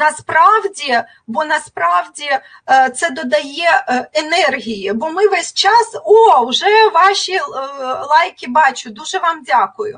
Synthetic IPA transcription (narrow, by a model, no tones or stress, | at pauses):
nɐspɾɑwdʲi | bɔnɐspɾɑwdʲi | t̪sɛd̪ɔd̪ɐjɛenɛrɦʲijibɔmɪʋɛsʲt͡ʃɑsowʒɛʋɑʃʲilˠɑjkʲibɑt͡ʃʊd̪uʒɛʋɑmdʲakʊjʊ̰